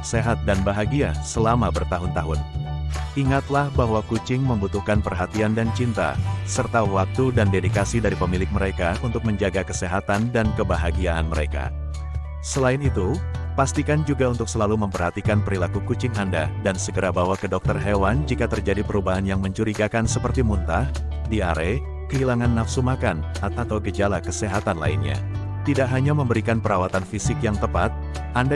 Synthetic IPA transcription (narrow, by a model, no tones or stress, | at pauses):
seɦat̪̚danbaɦaɡiasəlamabərt̪aɦʊnt̪aɦʊn | iŋat̪lahbaɦwakut͡ʃɪŋməmbut̪uhkanpərɦat̪iandant͡ʃint̪a̰sərt̪awak̚t̪udandedikasidaɾipəmilɪk̚məɾekaunt̪ʊk̚məɲd͡ʒaɡakəseɦat̪andankəbaɦaɡiaa̰nməɾeka̰ | səlaɪnit̪u | past̪ikand͡ʒuɡaunt̪ʊk̚səlaluməmpərhat̪ikanpəɾilakukut͡ʃɪŋandadansəɡəɾabawakədɔk̚t̪ərɦewand͡ʒikat̪ərd͡ʒadipəɾubaɦanjaŋməɲt͡ʃuɾiɡakansəpərt̪imunt̪ah | diaɾe | kəɦilaŋanːafsumakan | aat̪awɡəd͡ʒalakəseɦat̪anla̰ḭnɲa̰ | t̪idakɦaɲaməmbəɾikanpəɾawat̪anfisɪkjaŋt̪əpat̪̚ | ʔanda